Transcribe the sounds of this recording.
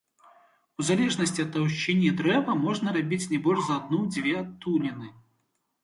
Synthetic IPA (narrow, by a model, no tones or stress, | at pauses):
uzalʲɛʐnɐsʲt͡sʲiɐt̪ːawʃt͡ʃɛnʲːɐd̪ɾɛvɐmɔʐnɐɾabʲit͡sʲnʲɛbɔlʲʐzɐːd̪̚nud͡zʲvʲɛt̪unʲinɨ